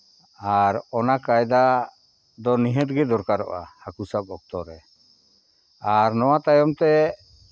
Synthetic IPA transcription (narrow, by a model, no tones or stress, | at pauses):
aɾɔnakajd̪a | d̪ɔniɦət̪̚ɡɛd̪ɔɾkaɾɔ̰ʔa̰hakusab̚ɔk̚t̪ɔɾɛ | aɾnɔwat̪ajɔmt̪ɛ